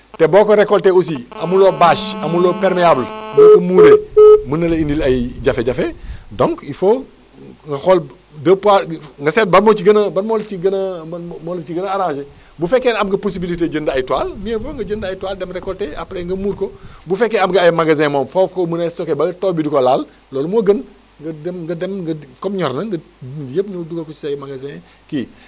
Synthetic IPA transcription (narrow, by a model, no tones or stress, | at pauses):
teboːkoɾekolteus̬iamuloːbaːʃamuloːpeɾmeaːblbokomuːɾemunɐleindilajɟafeɟafedõŋkifo | ŋɡɐxol | dɐpaŋɡɐset̚bamot͡ʃiɡɐnɐbaɾmolt͡ʃiɡɐnmolt͡ʃiɡɐnaaɾãːʃe | bufekːeːnamɡɐposibiliteɟəndajituwaːlmiefoŋɡɐɟəndajitwaːldemɾekoltea̰pleŋɡɐmuːɾkobufekːeamɡɐajmaɡazɛ̃moːmfokomunasokebɐɡɐtoːbidukolal | loːlmoɡən | ɡɐdɡɐdemɡɐkomɲɔɾnɐŋɡɐ | jəpnuduɡolkot͡ʃiajmaɡazɛ̃ | ki